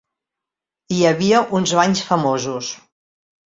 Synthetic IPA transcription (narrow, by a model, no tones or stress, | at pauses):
iəβiəʔunzβaɲsfəmozus